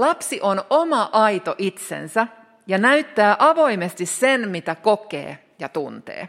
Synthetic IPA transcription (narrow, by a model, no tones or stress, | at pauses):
lɑpsiʔonomɑʔɑit̪oʔit̪sḛnsæ | jɑnæyt̪ːæːʔɑʋoimest̪issenmit̪ækokḛː | jɑt̪unt̪ḛː